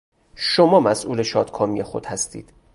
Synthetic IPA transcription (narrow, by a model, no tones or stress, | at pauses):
ʃomɒːmæsʔuːleʃɒːd̪̥kʰɒːmijexo̞̰d̪̥hæst̪ḭːd̪̥